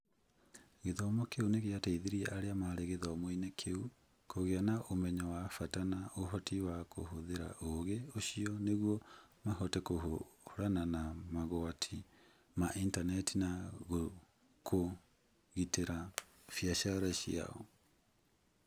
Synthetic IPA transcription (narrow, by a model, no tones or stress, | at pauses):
ɣeðɔmɔkeuneɣeataiðeɾiɛʔaɾeamaɾeɣeðɔmoinɛkʰeu | kʰoɣeanaʔomɛɲɔwafatanaoɦɔtʰiwako̰hoðeɾa̰ʔoɣeoɕiɔneɣwɔmaɦɔtɛkoɦohoɾananamaɣoatʰi | maʔintanɛtinaɣo | kʰo | ɣiteɾa | fjaʃaɾaɕja̰ɔ̰